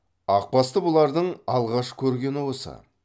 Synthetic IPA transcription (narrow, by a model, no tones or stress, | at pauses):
ɑq̚pɑst̪əbʊlˠɑɾd̪əɴɑlˠʁɑʃkʲʰɵɾɡʲe̞nɪwo̞sɑ̰